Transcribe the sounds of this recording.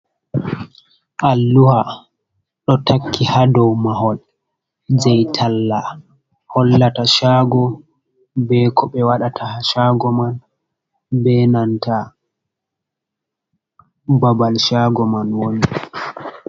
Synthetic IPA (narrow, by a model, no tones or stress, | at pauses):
ʔalːuha | ɗɔtʰakʰːihadɔwmaɦɔl | d͡ʒɛjtʰalːa | hɔlːataʃaɡɔ | bɛkʰɔɓɛwaɗatʰahaʃaːɡɔman | bɛnanta | babalʃaːɡɔmanwon